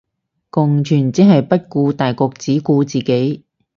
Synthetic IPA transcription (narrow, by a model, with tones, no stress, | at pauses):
kʊ˨ŋt͡ʃʰyː˨˩nt͡siː˨˥ɦɐ˨jpɐ˥t̚kuː˧t̪aː˨jkɔː˧k̚t͡siː˨˥kuː˧t͡siː˨˩ke˨˥j